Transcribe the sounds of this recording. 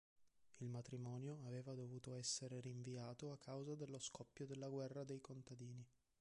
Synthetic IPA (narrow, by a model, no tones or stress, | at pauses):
ilmat̪ɾimɔːnjoaveːvad̪ovuːt̪oɛsːeɾeɾiɱviaːt̪oakʰːawzad̪elːoskɔpːjod̪elːaɡwɛrːad̪ejkont̪ad̪iːni